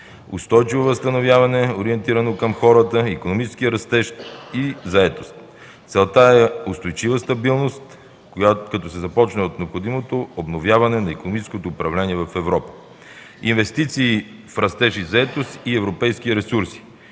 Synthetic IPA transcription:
ʊ̰st̪ɔjt͡ʃivovɐst̪ɐnovʲjavɐnɛoɾiɛnt̪iɾɐnokɐmxɔɾət̪əikonomit͡ʃɛ̥skijəɾɐst̪ɛʃizɐɛt̪o̥st̪ | t̪sɛlˠt̪aɛʊst̪ojt͡ʃivəst̪ɐbilˠnost̪ | kɐt̪ɔsɛzɐpɔt͡ʃnɛot̪nɛopxod̪imot̪oobnovʲjavɐnɛnɐikonomit͡ʃɛ̥skot̪oːpɾɐvlɛniɛvɐfɛvɾɔpə̥ | invɛst̪it̪siːfɾɐst̪ɛʃizɐɛt̪ost̪iɛvɾopɛjskiɾɛsuɾsi̥

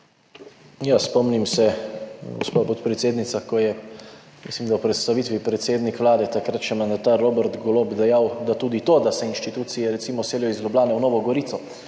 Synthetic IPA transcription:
jaspɔmnimsɛɡɔ̰spapɔt̪pɾɛt̪seːd̪nit̪sakɔjɛ | mḭslimd̪awpɾɛt̪st̪aʋit̪ʋipɾɛt̪seːd̪nikʋlaːd̪ɛt̪akɾat̪t͡ʃɛmand̪at̪aɾːobɛɾt̪ɡɔloːbd̪ɛjawd̪at̪uːd̪it̪oːd̪asɛinʃt̪it̪uːt̪sijɛɾɛt̪simɔseːljɔizlʲublaːnɛwnɔːʋɔɡɔɾit̪ɔ

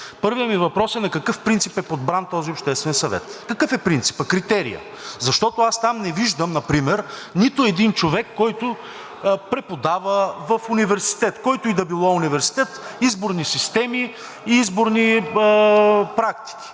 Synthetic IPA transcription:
pɤɾviəmivɐpɾɔsɛnɐkɐkɤfpɾint̪sipɛpod̪̚bɾant̪ɔziopʃt̪ɛst̪vɛnsɐvɛ̰t̪kɐkɤfɛpɾint̪si̥pəkɾit̪ɛɾḭjə̰ | zɐʃt̪ɔt̪ʊast̪amnɛviʒd̪əmnɐpɾimɛɾnit̪ʊɛd̪int͡ʃovɛkːɔjt̪ʊ | pɾɛpod̪avəvɐfunivɛɾsi̥t̪ɛt̪kɔjt̪ʊid̪ɐbilˠɔunivɛɾsi̥t̪ɛt̪izboɾnisist̪ɛmiː | izboɾni | pɾakt̪i̥kʲi̥

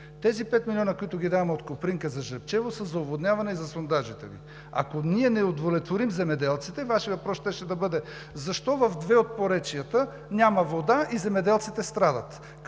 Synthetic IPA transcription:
t̪ɛzipɛt̪milʲɔnəkoit̪ʊɡʲid̪avɐmɛot̪kopɾiŋkəzɐʒəɾpt͡ʃɛvosəzɐovod̪nʲjavɐnɛizɐsond̪aʒit̪ɛvḭ | a̰koniɛnɛod̪volɛt̪voɾimzɛmɛd̪ɛlˠt̪sit̪ɛvaʃivɐpɾɔst̪ɛʃɛd̪ɐbɤd̪ɛ | zɐʃt̪ɔvɐfd̪vɛot̪̚poɾɛt͡ʃijət̪ə | nʲamɐvod̪aʔizɛmɛd̪ɛlˠt̪sit̪ɛst̪ɾad̪ɐt̪

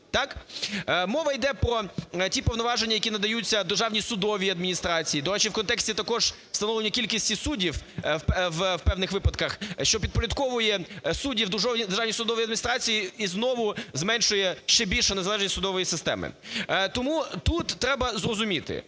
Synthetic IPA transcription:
t̪ɑk | mɔʋɐjd̪ɛpɾɔtʲipɔʋnɔʋɑʒenʲːɐjɐkʲinɐd̪ɐjut͡sʲːɐd̪ɪrʒɑʋnʲisʊd̪ɔʋʲiɐd̪̚mʲinʲist̪ɾɑt͡sʲijid̪ɔɾɛt͡ʃiwkɔnt̪ɛksʲit̪ɐkɔʒ̥ | st̪ɐnɔʋlenʲːɐkʲilʲkʲisʲtʲisudʲiw | ʋwpɛwnɪxʋɪpɐt̪kɐxʃt͡ʃɔpʲid̪̚pɔɾʲɐd̪kɔʋʊjɛsudʲiwd̪ɔʋʲd̪erʒɑʋnʲisʊd̪ɔʋɔjiɐd̪mʲinʲist̪ɾɑt͡sʲijiiznɔʋʊzmɛnʃʊjɛʃt͡ʃɛbʲilʲʃɛnezɐlˠɛʒnʲsʲsʊd̪ɔʋɔjisɪst̪ɛ̰mɪ̰t̪ɔmut̪ut̪ːɾɛbɐzrɔzʊmʲit̪ɪ̰

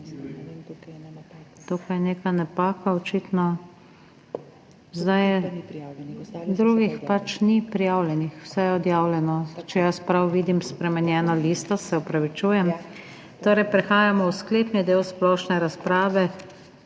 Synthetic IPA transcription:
t̪okajneːkanɛpaːkaɔt͡ʃiːt̪nɔ | zd̪aj | d̪ɾuɡixpat͡ʃnipɾijaːwlʲjɛnixw̥sɛjɛɔd̪jaːwlʲjɛnɔt͡ʃɛjaspɾawʋiːd̪imspɾɛmɛnjɛːnɔliːst̪ɔsɛɔpɾaʋit͡ʃuːjɛm | t̪oːɾɛjpɾɛxaːjamɔwskleːpnid̪eːwsplɔːʃnɛɾaspɾaːʋɛ

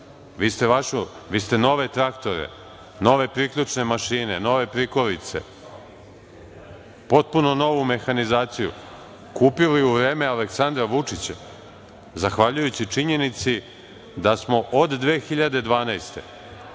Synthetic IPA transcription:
ʋiːst̪eʋaʃoʋiːst̪e̞no̞ʋe̞t̪ɾakt̪o̞ɾḛ | no̞ʋe̞pɾikʎʲut͡ʂne̞maʃiːne̞no̞ʋe̞pɾiko̞ɾit̪se̞̰ | po̞t̪̚punono̞ʋume̞xanizaːt̪sijṵ | kuːpiliuʋɾe̞ːme̞aleksand̪ɾaʋut͡ʂit͡ɕa | zaxʋaʎujut͡ɕit͡ʂiɲe̞nit̪si | d̪asmo̞ʔod̪ːʋe̞ːxiʎad̪e̞d̪ʋaːnajst̪e̞̰

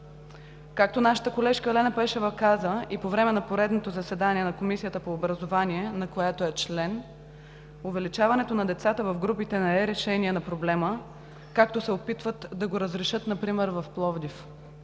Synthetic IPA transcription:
kak̚t̪onaʃə̥t̪əkolɛʃkəlɛnɐpɛʃɛvəkazəipovɾɛmɛnɐpoɾɛd̪not̪ozɐsɛd̪aniɛnɐkomisijət̪əpoːbɾɐzovaniɛnɐkojat̪oɛt͡ʃlɛn | ovɛlit͡ʃavɐnɛt̪onɐd̪ɛt̪sat̪əvɐfɡɾupit̪ɛnɛɛɾɛʃɛniɛnɐpɾoblɛmə | kak̚t̪osɛopit̪vət̪d̪ɐɡoɾəzɾɛʃɤt̪nɐpɾimɛɾvɐfplˠɔvd̪if

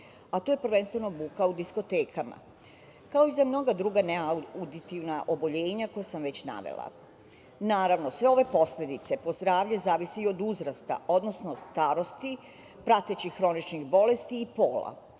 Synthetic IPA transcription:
at̪ojepɾ̩ʋe̞nst̪ʋe̞no̞bukaud̪isko̞t̪eːkama̰ | kao̞izamno̞ɡad̪ɾuɡaneaud̪it̪iʋnaʔobo̞ʎe̞ːɲako̞jasamʋe̞t͡ɕna̰ʋḛlˠa̰ | naːɾaʋno̞sʋe̞o̞ʋe̞po̞sle̞d̪it̪se̞po̞zd̪ɾaːʋʎezaːʋiseio̞d̪uzɾast̪a̰o̞d̪no̞sno̞st̪aːɾo̞st̪i | pɾat̪et͡ɕiːɾo̞nit͡ʃniɣbo̞le̞st̪iːpo̞ːlˠa̰

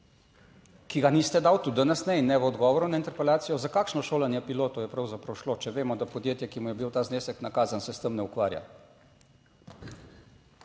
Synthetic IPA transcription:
kiɡaniːst̪ɛd̪aːwt̪ud̪ənɛsnɛinːɛʋəɔd̪ɡɔːʋɔɾunaint̪ɛɾpɛlaːt̪sijɔzakaːkʃnɔʃoːlanjɛpiloːt̪ɔjɛpɾawzapɾawʃlot͡ʃɛʋeːmɔd̪apɔd̪jeːt̪jɛkimujɛbiwt̪aːzneːsɛknakaːzansɛst̪əmnɛukʋaːɾja̰

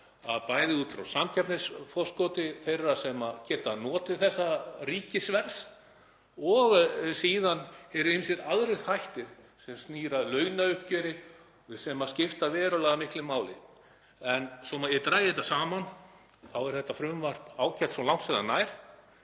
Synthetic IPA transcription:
a̰ðpaːjðɪuːt̪fɾawsamcʰɛpnɪsfɔ̥skɔt̪ɪθejrːasɛmacɛːt̪anɔːt̪ɪθɛsːariːcɪsvɛɾs | ɔɣsiːðanɛɾʏhɪmsjɛɾaðɾɪθajht̪ɪɾ | sɛmst̪niːɾalœːɥnaʏhp̚cœɾɪ | sɛmascɪft̪avɛːɾalaɣamɪhklɪmaːwlɪ̰ | ɛnsɔmaɛt̪ɾaːjɪðhɛt̪asaːman | θawɛɾ̥θɛht̪afɾʏmvar̥p̪aːwcɛ̥t̪sɔlawŋ̥t̪fɛɾanaːjɾ̥

